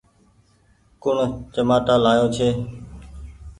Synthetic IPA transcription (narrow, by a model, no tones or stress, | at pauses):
kʊɳt͡ʃəmaːʈaːlaːjoːt͡ʃʰeː